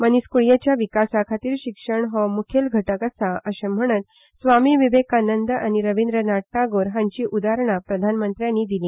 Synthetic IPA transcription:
məniskuɭijat͡ɕjaʋikasakʰat̪iːɾɕikʂəɳɦɔmukʰelɡʱəʈəkəsaəɕem̤əɽ̃ət̪̚ | sʋamiʋiʋekanənd̪əañiɾəʋind̪ɾənaʈːaɡoɾɦãɲt͡ɕiːʔud̪aɾəɳ̃apɾəd̪ʱanmənt̪ɾjãnːiːd̪ilĩː

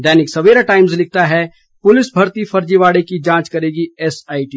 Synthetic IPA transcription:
ɖɛːnɪksɐʋeːɾaʈaːɪmzlɪk̚ʰt̪aɦɛ | pʊlɪsbʱɐɾt̪ifɐɾd͡ʒiʋaːɽekid͡ʒãːt͡ʃkɐɾeːɡiɛːsaːiʈiː

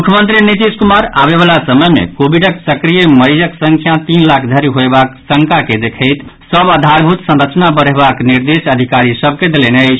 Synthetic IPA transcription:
mukʰjəmə̃nt̪ɾinit̪iskumaɾaβeβalasəməjmḛkobiɖəksəkɾijeməɾid͡ʒəksəŋkʰjat̪inlakʰd̪ʱəɾiɦoebaksəŋkaked̪ekʰəɪt̪ | səbəd̪ʱaɾbʱut̪sə̃nɾət͡ʃnabəɾebakniɾd̪esəd̪ʱikaɾisəb̚ʱked̪eleneəɪt͡ʃʰ

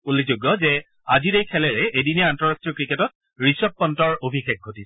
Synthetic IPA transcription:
olizuɡːɔzɛ | aziɹejkʰɛlɛɹɛejdinɛantɔɹastɹijɔkɹiketɔt̚ | ɹisɔp̚pːɔntɔɹobʱixek̚ɡʱotisɛ

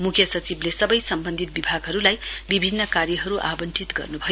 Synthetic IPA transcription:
mukʰjʌsʌt͡siblesʌbʌjsʌmbʌnd̪ʱit̪̚bibʱaɡɦʌɾulajbibʱinːʌkarjʌɦʌɾuʔa̰bʌnt͡sit̪ɡʌ̰rnubʱʌjo

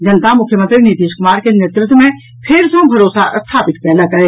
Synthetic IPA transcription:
d͡ʒɐnət̪amʊkʰjəmə̃nt̪ɾiniːt̪iːʃkʊmaːɾkeneːt̪ɾɪt̪wmẽ | pʰɪɾsẽbʱɐɾoːsast̪ʰaːpɪt̪̚kɛ̃lɐɡɐeː

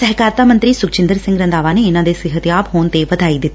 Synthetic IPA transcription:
sɐɦkaːɾt̪amɐ̃nt̪ɾisʊk̚t͡ʃɪ̃nd̪əɾsɪ̃ŋɡɾɐ̃nd̪aːʋaːneɪnãd̪esɪɦət̪jaːbɦoːnt̪eʋɐd̪ʱaːid̪ɪt̪ː

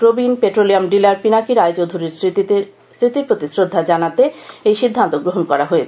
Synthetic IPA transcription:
kɾobinpeʈɾoliamɖilaɾpinakiɾajt͡ɕowd̪ʱuɾiɾ | sɾit̪iɾpɾot̪isɾod̪ʱːad͡ʑanat̪eejʃid̪ʱːant̪oɡɾoɦonkɔɾaɦoet͡ɕʰ

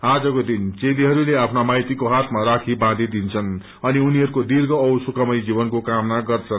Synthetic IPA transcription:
ad͡zʌkod̪int͡seliɦʌɾuleapʰnamajt̪ikoɦat̪ʰmaɾakʰibãd̪id̪int͡sʰʌn | ʌniuniɦʌɾukod̪irɡʌːwsukʌmʌjd͡zibʌnkokamnaɡʌrt͡sʰʌn

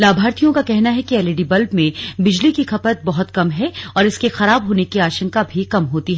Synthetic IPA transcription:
laːbʱaːɾt̪ʰijõkakɛɦnaɦɛkiɛːleːɖibɐlbmẽbɪd͡ʒlikixɐpət̪̚bɔɦʊt̪kɐmɦɛɔːɾɪskexɐɾaːbɦoːnekiaːʃə̃ŋkabʱikɐmɦoːt̪iɦɛː

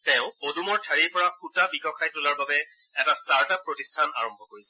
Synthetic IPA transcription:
tɛʊ̃odumɔɹtʰaɹiɹpɔɹakʰutabikɔkʰajtʊlaɹbabɛ | ɛtastaɹtapːɹotistʰana̰ɹɔmbʱɔkoɹisɛ

